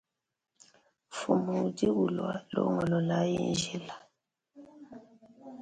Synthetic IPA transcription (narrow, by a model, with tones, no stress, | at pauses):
fu˨mu˨di˦ɣu˨lwa˦lo̰˨˦ŋɔ˨lɔ˨la˨˦ji˦˨nʒi˦la˨